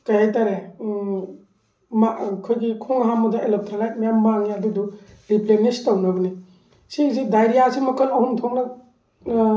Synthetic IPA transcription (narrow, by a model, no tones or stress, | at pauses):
kajhajtaɾe | makʰojɡikʰoŋɦamudɐelop̚tʰɾalajt̚mɐjamaŋiɐdudu | ɾiplenistɐwnɐɡɐni | sizidajɾijasimukʰɐlɐhuntʰoŋnɐ